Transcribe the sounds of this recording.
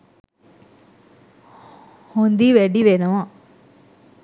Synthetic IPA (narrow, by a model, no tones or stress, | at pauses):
hond̪iːʋeɽiʋenɐʋãː